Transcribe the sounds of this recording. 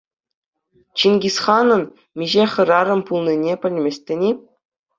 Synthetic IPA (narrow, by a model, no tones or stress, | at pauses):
t͡ɕinʲɡʲisχɑnɤ̆n | mʲiʑeχɤ̆ɾɑɾɤ̆mpulˠnʲinʲepʲɘ̆lʲmʲesʲtʲɘ̆nʲi